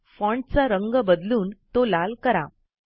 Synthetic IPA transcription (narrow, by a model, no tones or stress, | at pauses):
fɔ̃ɳʈt͡saɾəŋɡəbəd̪luːnt̪olalkəɾa̰